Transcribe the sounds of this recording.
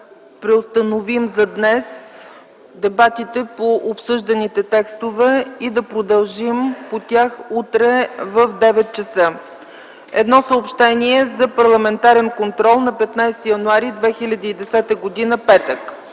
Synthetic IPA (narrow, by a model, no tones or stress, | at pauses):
pɾɛost̪ənovimzɐd̪nɛs | d̪ɛbat̪it̪ɛpoʔopsɤʒd̪ɐnit̪ɛt̪ɛkst̪ovɛid̪ɐpɾod̪ɐlˠʒimpot̪ʲjaxut̪ɾɛvəfd̪ɛvɛt̪̚t͡ʃəsə | ɛd̪nɔsəopʃt̪ɛniɛzɐpɐɾlˠɐmɛnt̪aɾɛnkont̪ɾɔlˠnɐpɛt̪najst̪ijɐnuaɾid̪vɛxilʲɐd̪iːd̪ɛsɛt̪əɡod̪inəpɛt̪ək